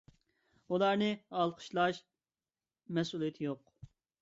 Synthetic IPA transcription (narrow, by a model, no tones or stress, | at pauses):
ulˠɑɾnɨɑlˠqʰə̥ʃlˠɑʃ | mɛsulˠijɛt̪ʰɪjoq